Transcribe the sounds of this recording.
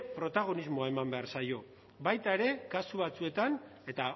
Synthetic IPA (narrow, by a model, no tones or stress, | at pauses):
pɾo̞t̪aɣ̞o̞nizmo̞ae̞mambe̞aɾsajo̞ | bajt̪ae̞ɾe̞kasuβat͡sue̞t̪ane̞t̪a